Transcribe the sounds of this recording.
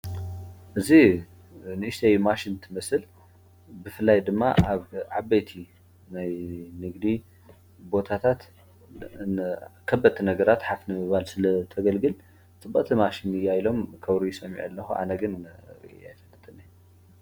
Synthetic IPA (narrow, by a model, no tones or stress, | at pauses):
ʔɨzi | nɨʔɨʃt̪ʰejmaʃint̪ʰɨmɐsɨl | bɨfɨlːajd̪ɨmːaaβʕabɐjt̪ʰi | najnɨɡd̪i | bo̞t̪ʰat̪ʰat̪ | kʰɐbːɐt̪ʰːinɐɡɐɾat̪ħafnɨmɨβalsɨlɐt̪ʰɐɡɐlɡɨl | t͡sʼɨbːɐ̰t̪ʰimaʃinɨjːajlo̞mkʰɐwɾujɪsʼɐmːḭʕɐlːɐxuʔa̰nɐɡɨnja̰jfɐt̪ːɨt̪ʼɨni